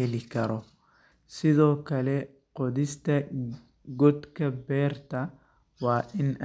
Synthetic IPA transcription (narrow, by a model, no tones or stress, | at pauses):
ɛlɪkɐɾɔ | sɪðɔːkɐlɛ | qɔd̪ɪst̪ɐ | ɡɔd̪kɐbɛːrt̪ɐ | waːʔɪn